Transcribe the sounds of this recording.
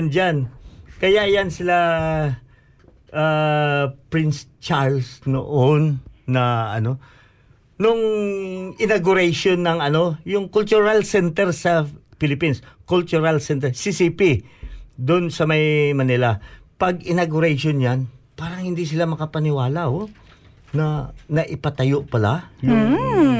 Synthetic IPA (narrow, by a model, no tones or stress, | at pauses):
nd͡ʒankɐjaʔjansɪla | ʔa | pɹɪnst͡ʃaɹlsno̰ʔonːɐʔɐ̰no̞ | nʊŋ | ɪnaɡʊɾɛjʃonːɐŋɐno̞jʊŋkʊlt͡ʃuɾalsɛnt̪ɛɾsɐ | fɪlɪpinskʊlt͡ʃʊɾalsɛnt̪ɛsisipi | d̪ʊnsɐmɐjmɐnɪlɐpɐɡɪnaɡʊɾejʃonjanpaːɾɐŋhɪnd̪is̬ɪlamɐkɐpɐnɪwaːlɐho | nɐnɐʔɪpɐt̪ɐjoʔpɐlajʊ